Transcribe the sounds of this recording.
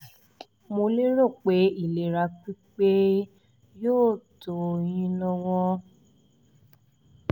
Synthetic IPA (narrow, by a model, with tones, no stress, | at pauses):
mo˧le˦ɾo˦˨k͡pe˨˦i˦˨le˨ɾa˨˦k͡pi˦k͡pe˦ | joː˦˨to˨jĩ˧˦nɔ̃˧wɔ̃˦